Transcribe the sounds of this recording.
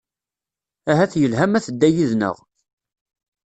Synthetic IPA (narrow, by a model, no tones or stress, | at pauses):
æɦæθjəlɦæmæθəd̪ːæjiðnə̰ʁ